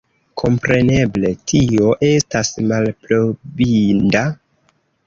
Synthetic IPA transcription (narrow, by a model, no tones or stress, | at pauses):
kʰo̞mpɾe̞ne̞ble̞tʰio̞ʔe̞stasmalplobinda